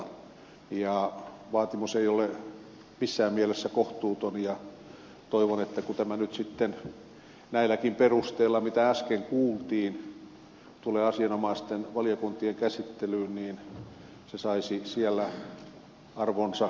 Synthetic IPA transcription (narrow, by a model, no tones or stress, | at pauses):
jɑʋɑːt̪imuseiole | misːæːmmielesːækoht̪uːt̪onjɑ | t̪oiʋonet̪ːækut̪æmænyt̪sit̪ːen | næilækimperust̪eːlːɑmit̪ææskeŋkuːlt̪iːn | t̪uleːɑsiɑnomɑist̪enʋɑlijokunt̪ieŋkæsit̪ːelyːnniːn | sesɑisisiælːæ | ɑrʋonsɑ